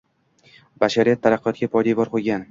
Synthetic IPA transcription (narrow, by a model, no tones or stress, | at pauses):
baʃaɾijat̪ʰːaɾɑqʰːɨjɒt̪̚ɡʲapɒjd̪aɪbɒɾqʰojɡʲan